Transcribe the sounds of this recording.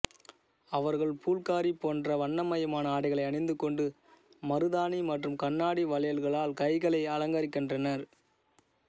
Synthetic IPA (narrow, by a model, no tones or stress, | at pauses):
ɐʋɐɾɣɐɭpʰuːlkaːɾipoːndrɐʋɐɳːɐmɐjɐmaːnɐaːɽɪɣɐɭɐɪɐɳɪnd̪ɯkːɔɳɖɯ | mɐɾɯðaːnimɐʈrɯmkɐɳːaːɽiʋɐlɐjɐlɣɐɭaːlkɐɪɣɐɭɐɪɐlɐŋɡɐɾɪkːɪndrɐnɐɾ